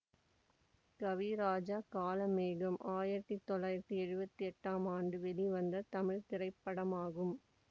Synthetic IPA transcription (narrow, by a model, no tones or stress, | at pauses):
kɐʋiɾaːd͡ʒaːkaːlɐmeːɣɐmʔaːjɪɾɐt̪ːit̪ːɔɭːaːjɪɾɐt̪ːiɛɻɯbɐt̪ːiɛʈːaːmaːɳɖɯʋɛliʋɐnd̪ɐt̪ɐmɪɻt̪ɪrɐɪpːɐɽɐmaːɣɯm